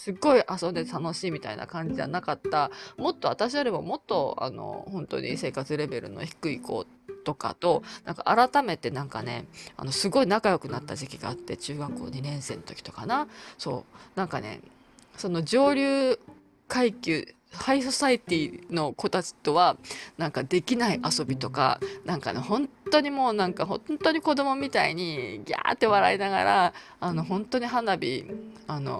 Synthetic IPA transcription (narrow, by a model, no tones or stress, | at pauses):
sɨɡo̞iʔaso̞net̪anoɕiːmʲit̪a̰inʔa̰kãɲ̟d͡ʑia̰nakat̪ːamo̞t̪ːo̞at̪aɕijoɾʲimo̞mo̞t̪ːo̞a̰no̰hõ̞nt̪o̞̰ɲʔḭse̞ːkat͡sɨɾe̞be̞ɾɯ̟̰no̞̰çi̥kɯ̟iko̞̰ː | t̪o̞ka̰t̪o̞nãŋka̰ʔaɾat̪ame̞t̪e̞nãŋkane̞̰a̰no̞sɨɡo̞inakajo̞kɯ̟nat̪ːaʑikʲiɡa̰ːt̪ːe̞t͡ɕɨːɡakːo̞̰ːɲ̟inẽ̞ɰ̃se̞ːnot̪okʲi̥t̪o̞̥kanaso̞̰ːnãŋkane̞̰ | so̞no̞d͡ʑo̞ːɾʲɨː | kaikʲɨ | haiso̞sait̪ʲino̞ko̞t̪at͡ɕi̥t̪o̞βanãŋkad̪e̞kʲinaiʔaso̞bʲit̪o̞ka̰nãŋka̰nehõ̞nt̪o̞ɲ̟imo̞ːnãŋkaɦõ̞t̪o̞ɲ̟iko̞d̪o̞mo̞mʲit̪aḭɲ̟iɡʲa̰ːt̪ːe̞βaɾa̰inaɡa̰ɾaː | no̞ɦõ̞nt̪o̞ɲ̟iɦanabʲḭano̞̰